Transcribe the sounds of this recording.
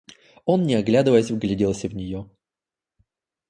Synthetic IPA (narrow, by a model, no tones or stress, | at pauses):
o̞nːʲɪɐɡlʲad̪ɨvəjəsʲvɡlʲɪdʲilˠsʲəvnʲɪjo